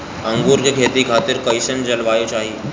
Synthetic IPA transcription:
ɐ̃ŋɡuːɾkekʰeːt̪ikʰaːt̪ɪɾkɐɪsənd͡ʒɐlʋaːet͡ʃaːɦie

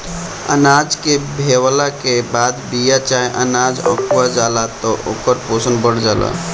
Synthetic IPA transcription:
ə̰nad͡ʒkebʱewlakebaːd̪bijat͡ʃajʔə̰nad͡ʒə̰kʋad͡ʒalat̪ɔʔokəɾposənbəɽ̤d͡ʒala̰

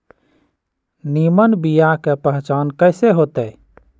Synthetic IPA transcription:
nimənbijakepəɦt͡ʃankəɪseɦot̪əj

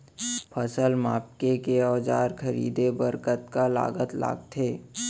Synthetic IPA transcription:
pʰəsəlmaːp̚kekeɔːd͡ʒa̰ːɾkʰəɾḭːd̪ebəɾkət̪kala̰ːɡət̪la̰ːɡt̪ʰeː

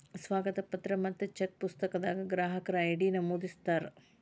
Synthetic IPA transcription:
sʋaːɡɐt̪ɐpɐt̪ɾɐmɐt̪ːɐt͡ʃek̚pust̪ɐkɐd̪aːɡɐɡɾaːɦɐkɐɾaːjiɽiːnɐmuːd̪ist̪aːɾ

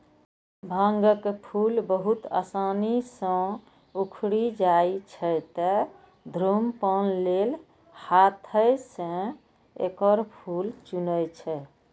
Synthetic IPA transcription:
bʱãŋɡəkpʰulbəɦut̪a̰sanisə̃ | ukʰɽid͡ʒait͡ʃʰɛt̪ə | d̪ʱɾumpənlel | hat̪ʰəjsə̃ | ḛkəɾpʰult͡ʃunəjt͡ʃʰɛ

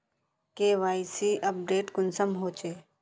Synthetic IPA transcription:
keːʋaːisiːʔɐp̚ɖeːʈkʊnsəmɦoːt͡ʃeː

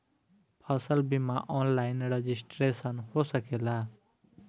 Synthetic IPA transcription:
pʰʌsʌlbimaʔɔnlajnred͡zisʈresʌnhosʌkela

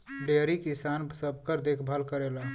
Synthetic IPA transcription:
ɖeɾikɪsaːnsəb̚ʱkəɾd̪ekʰbʱəlkəɾela

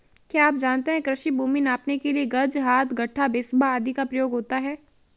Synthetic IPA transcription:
kjaːaːp̚d͡ʒaːnt̪eɦɛ̃kɾɪʃibʱuːminaːpnekelieɡɐɾd͡ʒɦaːt̪ʰɡʱɐʈʰːabɪsbaaːd̪ʱikapɾɐjoːɡɦoːt̪aɦɛː

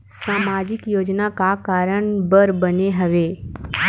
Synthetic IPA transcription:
saːmad͡ʒɪkjoːd͡ʒnakakaːɾəɳ̃bəɾbəneɦəʋeː

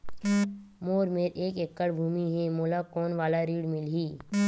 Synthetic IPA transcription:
moːɾmeːɾʔeːkekːəɽbʱuːmiɦɛmoːlakɔːnʋaːlaɾiːɽmɪlɦiː

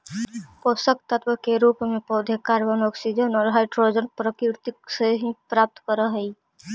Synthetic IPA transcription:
kosəkt̪ət̪wəkeɾuːpmẽpɔd̪ʱjəkaɾbənɔːksid͡ʒənɔːɾɦaɪʈɾod͡ʒənpɾəkɾɪɾt̪ikseɦipɾaːp̚t̪kəɾəɦəi

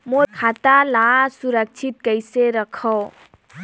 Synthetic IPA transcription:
mokʰat̪alasuɾək̚t͡ʃʰit̪̚kəjseɾəkʰɔw

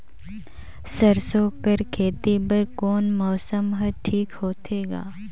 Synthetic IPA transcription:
sɐɾsoːkəɾkʰeːt̪ibəɾkoːnmɔːsəmɦɐʈʰiːkhoːt̪eːɡa̰ː

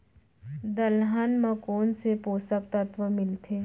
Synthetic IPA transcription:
d̪ɐlɦanmɐ̃koːnsepoːsək̚t̪ət̪ʋəmɪlt̪ʰeː

